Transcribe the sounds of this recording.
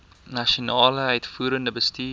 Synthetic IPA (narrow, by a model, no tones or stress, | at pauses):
nɐʃionɑːləœɥtfuːɾəndəbəstiː